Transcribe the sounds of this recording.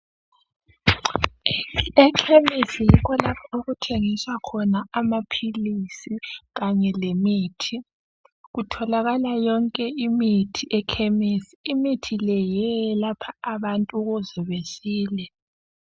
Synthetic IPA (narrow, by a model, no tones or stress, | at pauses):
ɛkʰemisijikʰɔlapʰauɣutʰeŋiswakʰɔnaamapʰilisiɣaɲɛlemiːtʰi | ɣutʰɔlaɣalajɔŋkʼɛimitʰiʔɛkʰɛmesiimitʰilɛjɛlapʰaaβantʼuɣuziβesiːlɛ